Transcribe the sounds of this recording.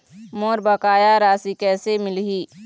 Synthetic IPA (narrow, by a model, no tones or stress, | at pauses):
moːɾbəkaːjaɾaːsikɛːsemɪlɦiː